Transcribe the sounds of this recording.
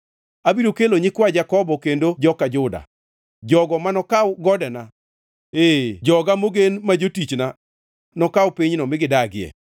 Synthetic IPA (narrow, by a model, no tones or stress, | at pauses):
abiɾokeloɲɪkwad͡ʒakɔbɔkendod͡ʒɔkad͡ʒʊda̰ | d͡ʒɔɡɔmanɔkawɡɔdɛna | ed͡ʒɔɡamoɡenmad͡ʒotit͡ʃna | nɔkawpiɲnɔmɪɡɪdaɡɪɛ̰